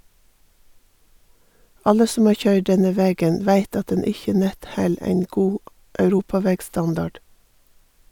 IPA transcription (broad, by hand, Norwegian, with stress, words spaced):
ˈɑlə ˈsɔm ˈɑː ˈçœʏɖ ˈɖɛnə ˈʋeːɡən ˈʋæɪt ˈɑt ˈdɛn ˈɪçə ˈnɛt ˈhɛl ˈeɪn ˈɡuː ʔœʉˈɾuːpɑˌʋeːɡˌstɑndɑɖ